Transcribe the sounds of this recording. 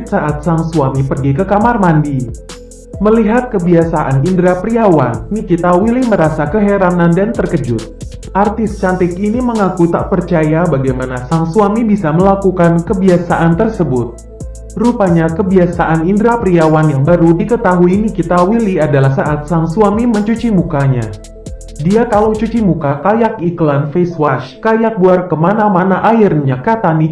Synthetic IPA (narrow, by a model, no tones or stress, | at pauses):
t̪saʔat̪̚saŋsuamipərɡikəkamarmandi | məliɦat̪̚kəbiasaʔanindɾapɾiawanːikit̪awiliməɾasakəɦeɾanandant̪ərkəd͡ʒʊ̰t̪̚ | ʔart̪ɪst͡ʃant̪ɪkiniməŋakut̪a̰ʔpərt͡ʃajabaɡajmanasaŋsuamibisaməlakukankəbiasaʔant̪ərsəbʊt̪̚ | rupaɲakəbiasaʔanindɾapɾiawanjaŋbaɾudikət̪aɦuinikit̪awiliadalahsaʔat̪̚saŋsuamiməɲt͡ʃut͡ʃimukaɲa̰ | diakalowt͡ʃut͡ʃimukakajakiklanfeswaʃkajak̚buarkəmanamanaʔairɲakat̪ani